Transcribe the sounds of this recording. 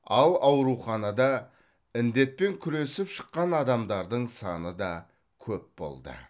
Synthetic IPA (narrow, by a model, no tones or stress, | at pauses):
ɑlˠɑwɾuχɑnɑd̪ɑ | ɪnd̪e̞t̪̚pe̞ŋkʲʰʏɾe̞sɪpʃə̥qːɑnɑd̪ɑmd̪ɑɾd̪əɴsɑ̰nəd̪ɑ | kʲʰɵp̚bo̞̰lˠd̪ə̰